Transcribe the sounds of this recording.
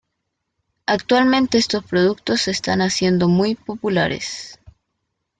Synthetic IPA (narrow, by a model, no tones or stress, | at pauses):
akt̪walmẽ̞nt̪e̞est̪o̞spɾoðuk̚t̪o̞se̞st̪anasje̞nd̪o̞mujpo̞pula̰ɾe̞̰s